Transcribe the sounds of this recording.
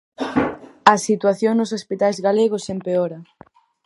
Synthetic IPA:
ɐsit̪waθjoŋnʊs̬ospit̪ajzɣaleɣʊsempeoɾɐ

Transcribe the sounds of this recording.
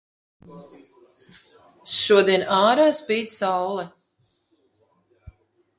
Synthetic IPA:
ʃuɔd̪iɛnaːɾaːspiːd̪sawlˠɛ

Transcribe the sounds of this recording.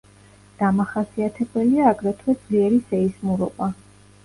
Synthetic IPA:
d̪̥amaχasiat̪ʰɛbɛliaːɡɾɛt̪ʰwɛd̪z̥liɛɾisɛismuɾɔ̰ba

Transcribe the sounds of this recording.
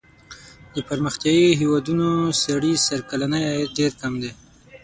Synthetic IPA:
d̪əpaɾməxt̪jɑjiɦewad̪unosaɽisaɾkalanəjaɖeɾkamd̪e

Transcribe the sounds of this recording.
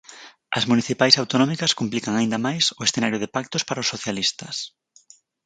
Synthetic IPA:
ɐ̰zmuniθipajsawt̪onɔmikɐskumplikɐŋaind̪ɐmajsʊesθenaɾjʊðɪpak̚t̪ʊspaɾaosoθjalist̪ɐs

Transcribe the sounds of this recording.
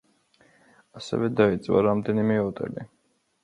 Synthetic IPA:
asɛ̰vɛd̪ait̪sʼwa̰ɾamd̪ɛnimɛɔt̪ʼɛ̰li

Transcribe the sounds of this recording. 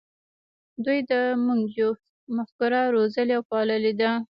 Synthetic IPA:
d̪ujd̪əmuŋɡd͡ʒo | maxkʊɾaɾozəliawpɑləled̪a

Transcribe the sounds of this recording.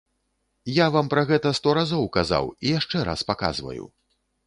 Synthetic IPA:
javampɾaɣɛt̪ɐst̪ɔɾazɔwkaza̰wijaʂt͡ʂɛɾa̰spaka̰zvɐ̰jṵ

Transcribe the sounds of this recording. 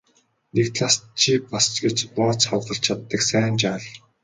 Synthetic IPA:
nekt̪ɮast͡ɕʰiːpast͡ɕɡet͡ɕpɔːt͡sχɔwtə̆ɬt͡ɕʰat̪ːə̆ksæːnt͡ɕaːɮ

